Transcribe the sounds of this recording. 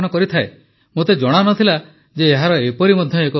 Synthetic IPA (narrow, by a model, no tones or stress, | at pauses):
nɔkɔɾit̪ʰae | mot̪ed͡ʒɔɽ̃anɔt̪ʰila | d͡ʒeːɦaɾɔepɔɾimɔd̪ʱjɔekɔ